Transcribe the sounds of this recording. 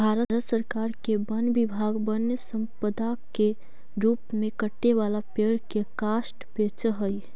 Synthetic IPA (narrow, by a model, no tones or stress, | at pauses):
bbʱaːɾətɾət̪səɾkaːɾkebənbɪbʱaːɡbənjəsə̃mpəd̪ake | ɾuːpmẽkəʈːeʋalapeːɽkekaːsʈbeːt͡ʃəɦəj